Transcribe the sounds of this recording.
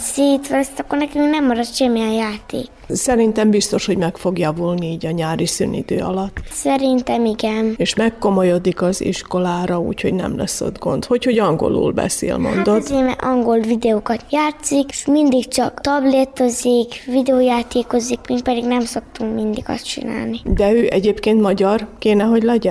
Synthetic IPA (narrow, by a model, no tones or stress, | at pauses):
siːt̪ʋɛst̪ɒkːornɛkymnɛmːɒɾɒt̪ʃɛmːijɛjaːt̪ḛːk | sɛɾint̪ɛmbist̪o̞ʃho̞ɟmɛkfo̞ɡjɒvulniiːɟɒɲaːɾisy̰ːnḭd̪ø̰ːɒ̰lɒt̪ːsɛɾint̪ɛmiɡɛneːʃmɛkːo̞mo̞jod̪ikɒzḭʃko̞laːɾɒṵːcho̞ɟnɛ̰mlɛ̰sːo̞̰d̪ɡo̞̰nt̪ho̞cho̞ɟɒŋɡo̞̰lṵːlbɛ̰sḛːlmo̞̰nd̪ot̪ːsiːmɛ̰ʔɒŋɡo̞lvid̪ɛoːkɒt̪jaːt̪sikmind̪ikt͡ʃɒkt̪ɒblet̪ozikvid̪ɛoːjaːt̪eːko̞zikmiŋk̪̚pɛd̪iɡnɛmso̞k̚t̪uŋkmind̪iɡɒ̰st͡ʃḭna̰ːlnid̪ɛøːʔɛɟeːpkeːnt̪mɒɟɒrkeːnɛɦo̞ɟlɛɟɛ